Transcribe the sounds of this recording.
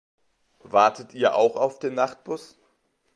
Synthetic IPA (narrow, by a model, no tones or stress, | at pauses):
vaɐtʰətiːɐʔa̰ʊxaʊfd̥eːnːaχt̚b̥ʊs